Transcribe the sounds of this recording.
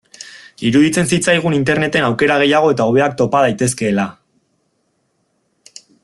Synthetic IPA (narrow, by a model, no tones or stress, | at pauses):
iɾuðit͡se̞nsit͡sajɣ̞unint̪e̞ɾne̞t̪e̞nawke̞ɾaɣ̞e̞jaɣ̞o̞e̞t̪ao̞β̞e̞ak̚t̪o̞pað̞ajt̪e̞ske̞ːla